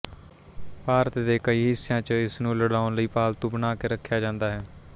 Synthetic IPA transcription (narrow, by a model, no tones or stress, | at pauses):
paːɾət̪d̪eːkəiːɦɪsːɪjãːt͡ʃɪsnũːləɽaːʊnləiːpaːlt̪ʊbnaːkeːɾəkʰːjaːd͡ʒãːnd̪aːɦɛː